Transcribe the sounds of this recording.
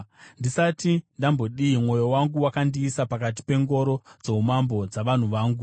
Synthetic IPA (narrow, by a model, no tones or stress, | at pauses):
ndisatindambo̞ɗiimŋo̞jo̞waŋɡuwakandiːsapakat̬i̥pe̞ŋɡo̞ɾo̞d͡ze̞ɦumambo̞d͡zaʋan̤uʋaːŋɡu